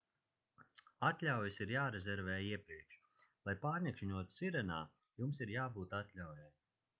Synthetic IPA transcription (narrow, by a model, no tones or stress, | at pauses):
at̪ʲlʲawjisiɾjaːɾezʲɛɾvɛːjiɛpɾiɛkʃ | lˠajpaːɾnʲɛkʃiɲuɔt̪u̥siɾɛna̰ː | jumsiɾjaːbuːt̪at̪ʲlʲawjaj